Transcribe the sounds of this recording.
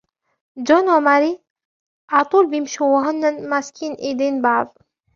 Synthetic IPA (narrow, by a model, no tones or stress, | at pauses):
d͡ʒonwamaɾi | ʔɑt̪ˤuːlbimʃuwaɦʊnːanmaskʰiːnʔid̪eːnbaʕðˤ